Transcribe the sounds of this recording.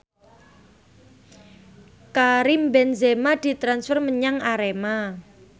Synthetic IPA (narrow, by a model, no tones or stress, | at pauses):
kaɾimbɛnzemad̪̥i̤t̪ɾansfərməɲaŋaɾema